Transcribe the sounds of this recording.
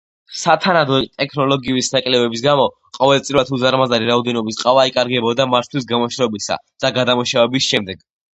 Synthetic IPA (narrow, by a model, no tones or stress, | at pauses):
sat̪ʰanad̪ɔt̪ʼɛkʰnɔlɔɡiuisnakʼlɛvɛbis̬ɡamɔ | qʼɔvɛlt̪sʼiɾvat̪ʰuzaɾmazaɾiɾaɔd̪ɛnɔbisqʼavaikʼaɾɡɛbɔd̪amat̪ʰwis̬ɡamɔʃɾɔbisa̰d̪̥aɡad̪amuʃavɛbisʃɛmd̪ɛɡ̥